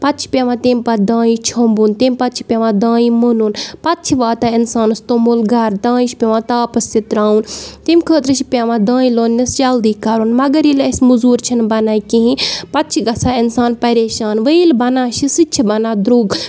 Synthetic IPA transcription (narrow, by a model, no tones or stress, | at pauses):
pɐt̪̚t͡ʃʰi̥pʲeʋãːt̪emʲpɐd̪ãːĩt͡ʃʰɐmbuːnt̪iːmʲpɐt̪̚t͡ʃʰi̥pʲeʋãd̪ãːĩmənunpɐt̪̚t͡ʃʰiʋaːt̪ainsaːnɨst̪oːmoːlɡɐɾd̪ãːĩʃʰpʲeʋãːt̪aːpɐst̪it̪ɾaːunt̪emʲkʰəːt̪ɾɨt͡ʃʰipʲeʋãːd̪ãːĩloːnːisd͡ʒɐld̪iːkɐɾunmɐɡɐɾilɐsmuzuːɾt͡ʃʰinbɐnaːkĩɦĩpɐt̪̚t͡ʃʰiɡɐsaːinsaːnpɐɾeːʃaːnʋəilbɐnãːʃisɨtt͡ʃʰibɐnaːd̪ɾuːɡ